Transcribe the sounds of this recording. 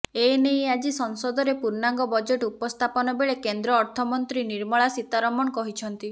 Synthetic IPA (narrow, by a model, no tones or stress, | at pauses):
enejad͡ʒisɔŋsɔd̪ɔɾepuɾnaŋɡɔbɔd͡ʒeʈupɔst̪ʰapɔnɔbeɭekend̪ɾɔːɾt̪ʰɔmɔnt̪ɾiniɾmɔɭasit̪aɾɔmɔɳɔkɔɦit͡ʃʰɔnt̪i